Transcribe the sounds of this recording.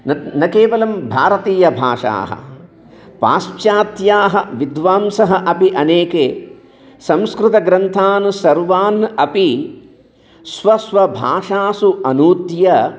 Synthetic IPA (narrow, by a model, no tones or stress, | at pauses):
nɐnɐkeːʋɐlɐmbʱaːɾɐt̪iːjɐbʱa̰ːʂa̰ːɦɐ̰ | pa̰ːspjaːt̪jaːɦɐʋid̪ʋaːmsɐɦɐʔɐpiʔɐneːkeː | sɐ̃mskɾut̪ɐɡɾɐnt̪ʰaːnusɐɾʋaːnɐpi | sʋɐsʋɐbʱa̰ːʂaːsuɐnuːt̪jɐ